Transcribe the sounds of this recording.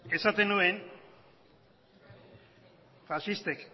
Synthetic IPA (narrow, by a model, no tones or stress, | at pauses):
e̞sat̪e̞nue̞n | fasist̪ek